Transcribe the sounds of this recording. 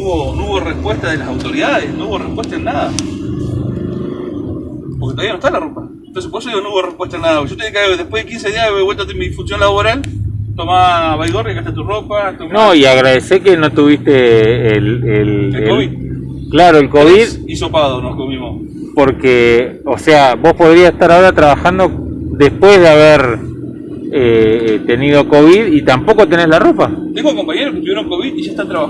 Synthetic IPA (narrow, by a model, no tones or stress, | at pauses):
uβonouβorespweht̪aðelasawt̪o̞ɾiðaðesnouβorehpweht̪aenːaða | poɾket̪oaianoet̪alaropa | ent̪onsepoeso̞ðiɣonouβorehpweht̪aenːaðapokeot̪eeekaðepweðekinseðiaeβeβwelt̪at̪emiðifusjonlaβoɾalt̪omaβajðorjakat̪at̪uropat̪onoiaɣɾaðesekeno̞t̪uβist̪eːleli | klaɾoelkoβið | isopaðonokuβimos | po̞ɾkeoseaβo̞spoð̞ɾiaseht̪aɾaoɾat̪ɾaβaxand̪o̞ | d̪e̞spwe̞zðeaβeɾ | et̪e̞nið̞o̞ko̞βiðit̪ampo̞ko̞t̪e̞ne̞zlaro̞pat̪eŋɡokompaɲeɾoke̥t̪uβjeɾoŋkoβiðiʒae̥t̪ant̪ɾaβa